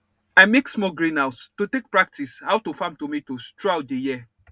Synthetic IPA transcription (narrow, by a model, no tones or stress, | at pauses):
aɪmeksmɔɡɹĩnawtstutek̚pɹak̚tishaʊwtufãmtumitostɹaʊtdejiə